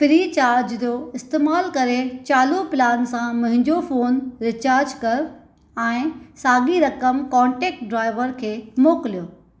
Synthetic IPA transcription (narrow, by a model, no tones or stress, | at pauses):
pɪɾiːt͡ɕaːɾd͡ʑt̪joɪst̪eːmaːlkɐɾet͡ɕaːlopɪlaːnsãmʊ̃ɦɪ̃ɲd͡ʑofoːnɾɪt͡ɕaːɾd͡ʑkɐɾʊ | ɛ̃ːsaːɠiɾɐkəmkɔ̃ːɳʈeːk̚ʈ̚ɖɾaːɪʋəɾkʰeːmoːkɪlijoː